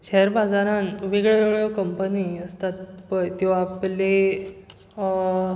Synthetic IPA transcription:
ɕɛɦɾbad͡zaɾãnʋiɡɭoʋeɡɭjekəmpəniəst̪at̪pəjt̪iʋaːple

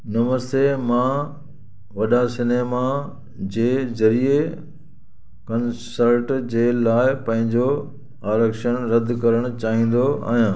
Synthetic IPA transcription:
nɐməst̪emã | ʋɐɗasɪneːma | d͡ʑeːzɐɾie | kɐnsəɾʈd͡ʑeːlaːɪpɐ̃ɦɪ̃ɲd͡ʑo | aːɾəkʃənɾɐd̪ʱkɐɾəɽ̃ʊ̆t͡ɕaːɦĩːn̆d̪oa̰ːɦijãː

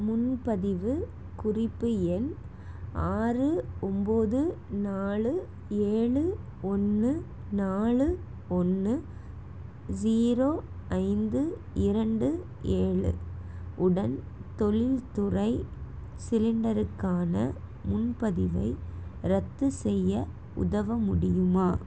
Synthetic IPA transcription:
mʊnpɐðɪʋɯ | kʊrɪpːɯɛn | aːrɯɔmboːðɯnaːɭɯ | eːɭɯ | ɔnːɯ | naːɭɯ | ɔnːɯ | d͡ʒiːɾoːɐɪnd̪ɯ | ɪɾɐɳɖɯ | eːɭɯ̰ʊɽɐn | t̪ɔɭɪlt̪ʊrɐɪsɪlɪɳɖɐɾɯkːaːnɐ̰ | mʊnpɐðɪʋɐɪɾɐt̪ːɯsɛjːɐ | ʊ̰ðɐʋɐmʊɽɪjɯmaː

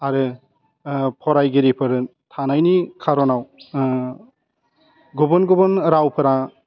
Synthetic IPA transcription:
aɾɯ | pʰɔɾajɡeɾipʰɯɾ | tʰanajnikʰaɾɔnaw | ɡɔbɔnɡɔbɔnɾawpʰɯɾa

